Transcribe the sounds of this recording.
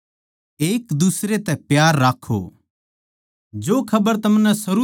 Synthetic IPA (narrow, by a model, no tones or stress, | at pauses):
eːkd̪usɾet̪ɛpjaːɾːaːkʰo̰ | d͡ʒoːkʰɐbəɾt̪ɐmnɛ̃sɐɾu